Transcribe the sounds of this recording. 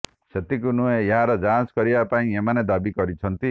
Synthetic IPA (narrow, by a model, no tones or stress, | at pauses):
set̪ikunuejeɦãɾʌd͡zanskʌɾibapaĩemaned̪abikʌɾit͡sʰʌnt̪i